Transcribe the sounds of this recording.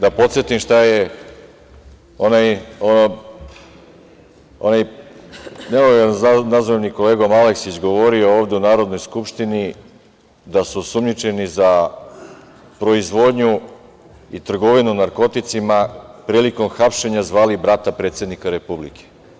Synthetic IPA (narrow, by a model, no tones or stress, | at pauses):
d̪apo̞t̪sjet̪imʃt̪aje | o̞najono | onaj | neojenznazaniko̞leːɡomale̞ksit͡ɕɡo̞ʋo̞ɾio̞oːʋd̪e̞unaːɾo̞d̪no̞jskupʃt̪ini | d̪asusumɲit͡ʃe̞niza | pɾo̞izʋo̞d̪ɲu | it̪r̩ɡo̞ʋinunaɾko̞t̪it̪simapɾiːliko̞mxapʃe̞ɲazʋaːlibɾat̪apɾe̞ːt̪sje̞d̪nikaɾe̞publḭke̥